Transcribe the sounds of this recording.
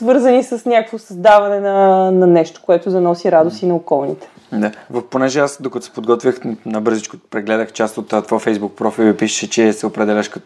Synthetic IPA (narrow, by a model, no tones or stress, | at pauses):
svɤɾzɐnisəsnʲakəkvosɐzd̪avɐnɛnɐnɐnɛʃt̪o̥koɛt̪ʊzɐnɔsiɾad̪ost̪inɐokɔlˠnḭt̪ɛ̥ | d̪avɐfponɛʒɛasd̪okət̪ʊ̥sɛ̥pod̪ɡɔt̪vʲjəxnɐbɤɾzit͡ʃko̥pɾɛɡlɛd̪əxt͡ʃast̪ot̪ːt̪vafɛjzbuk̚pɾɔfilipiʃə̥ʃɛt͡ʃɛsɛopɾɛd̪ɛlʲəʃkɐt̪